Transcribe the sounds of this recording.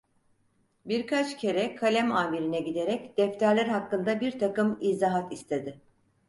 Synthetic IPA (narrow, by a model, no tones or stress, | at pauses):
biɾkʰat͡ʃcʰe̞ɾɛkʰalʲæmaːbiɾinɛɟid̪e̞ɾɛcd̪̥ɛft̪ʰæɾlʲæɾɦakːɯnd̪abiɾt̪ʰakɯmiːzaɦat̪ist̪ʰe̞d̪ɪ